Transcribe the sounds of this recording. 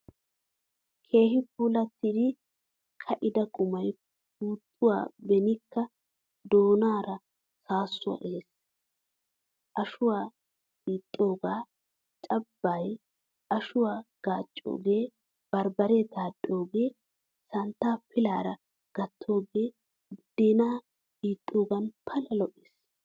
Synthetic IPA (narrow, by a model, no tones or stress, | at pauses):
kʰe̞ːɦɪp̚uːlɐt̪ːiːd̪ɪ | kʰɐʔɪd̪ɐkʼʊmɐj | puːt̪ʰʼːʊwa̰ːbɛnɪkːɐ | d̪oːnaːɾɐ | saːsːʊɐ̰ʔeːs | ʔɐʃʊwaː | tiːt̪ʼːo̞ːɡaː | t͡ʃʼɐbːɐj | ʔɐʃʊwaːɡ̥aːt͡ʃʼːo̰ːɡe̞ː | b̥ɐɾbɐɾeːt̪aːdʼo̞ːɡe̞ː | sɐnt̪ːaːpɪlaːɾɐ | ɡ̥ɐt̪ʰːo̞ːɡe̞ː | d̪̥eːnaː | kʼiːt̪ʼːo̞ːɡɐnpʰɐlɐlɔʔɪs